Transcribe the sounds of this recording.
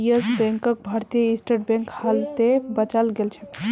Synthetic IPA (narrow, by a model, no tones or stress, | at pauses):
jəsbɛ̃ŋkək̚bʱaɾt̪ijəisʈeʈ̚bɛ̃ŋkhalt̪ebət͡ʃalɡelt͡ʃʰɛ̥